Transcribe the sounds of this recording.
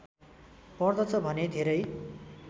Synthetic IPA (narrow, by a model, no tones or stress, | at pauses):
pʌrd̪ʌt͡sʰʌbʱʌned̪ʱeɾʌj